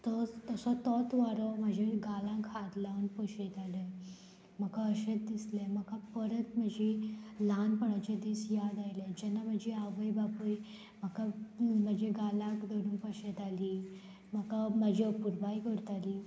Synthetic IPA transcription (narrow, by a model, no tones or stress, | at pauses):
t̪ɔt̪əsɔt̪ɔt̪ʋaɾɔməd͡ʑʱeɡalãkʰːad̪lanpəɕet̪alə | m̤əkaəɕet͡sd̪islem̤əkapəɾət̪m̤əd͡ʑilanpəɳat͡ɕed̪iːsjad̪ajled͡ʑɛnːam̤əd͡ʑiaʋəjbapuj | m̤əkam̤əd͡ʑʱeɡalãkd̪əɽũnpəɕet̪aliː | m̤əkaməd͡ʑʱipuɾbajikəɾt̪aliː